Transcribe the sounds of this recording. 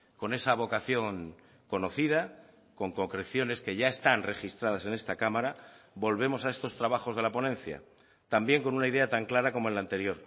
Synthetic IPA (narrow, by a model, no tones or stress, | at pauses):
ko̞ne̞saβ̞o̞kaθjo̞ŋ | ko̞no̞θið̞a | ko̞ŋko̞kɾe̞θjo̞ne̞ske̞ʝaest̪anre̞xist̪ɾaðase̞ne̞st̪akamaɾabo̞lβe̞mo̞sae̞st̪o̞st̪ɾaβ̞axo̞zðe̞lapo̞nẽ̞n̟θja̰ | t̪ambje̞ŋko̞nunaiðe̞at̪aŋklaɾako̞moe̞nlaːnt̪e̞ɾjo̞ɾ